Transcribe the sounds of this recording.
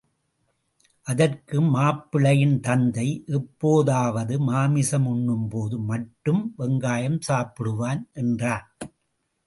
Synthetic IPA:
ʔɐðɐrkɯmːaːpːɪɭɐjɪnt̪ɐnd̪ɐɪʔɛpːoːðaːʋɐðɯmaːmɪsɐmʊɳːɯmpoːðɯmɐʈːɯmʋɛŋɡaːjɐmsaːpɪɽɯʋaːnʔɛndraːn

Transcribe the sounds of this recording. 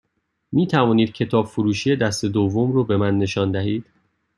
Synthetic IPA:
miːt̪ʰævɒːniːd̪̥̚cʰe̞t̪ʰɒːbfoɾuːʃiːje̞d̪æst̪e̞d̪ovːomɾoːbe̞mænːe̞ʃɒːnd̪æɦiːd̪̥

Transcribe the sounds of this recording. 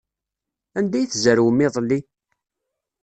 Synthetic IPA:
ænd̪æjθzəɾwəmːɪðˤlːi

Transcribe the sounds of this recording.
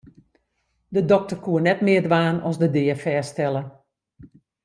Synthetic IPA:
dədɔk̚tərkuənɛtmɪːədʋaːnɔsdədɪːəfɛːstɛlˠə

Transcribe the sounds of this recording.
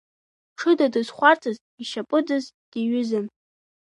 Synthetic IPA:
ʈ͡ʂʰɨdadɨzχʷartʰaz | iʃapʼɨdɨz | d̥iɥʏzɨn

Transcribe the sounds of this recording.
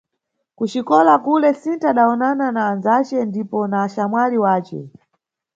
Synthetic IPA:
kut͡ʃikɔlakulɛsintaːɗaɔnananaːnzat͡ʃɛndipɔnaːʃamwaliwaːt͡ʃɛ̰

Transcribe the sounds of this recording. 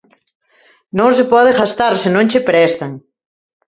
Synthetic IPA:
nõŋsɪpɔðexast̪aɾsɪnõŋt͡ʃepɾɛst̪aŋ

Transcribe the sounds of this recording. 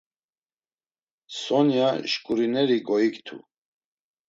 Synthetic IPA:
sɔnjaʃkʼuɾinɛɾiɡɔikt̪ʰṵ

